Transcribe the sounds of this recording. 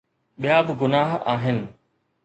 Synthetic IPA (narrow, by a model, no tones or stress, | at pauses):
ɓijaːbɪɡʊnaːɦaːɦɪnɪ̆